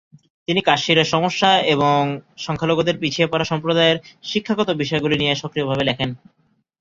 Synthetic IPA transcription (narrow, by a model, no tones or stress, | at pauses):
t̪inikaʃiɾeɾʃɔmoʃːaeβoŋʃɔŋkʰaloɡod̪eɾpit͡ɕʰiepaɾaʃɔmpɾod̪aeɾʃikʰːaɡɔt̪obiʃɔeɡulinijeʃokɾiobʱaβelɛkʰen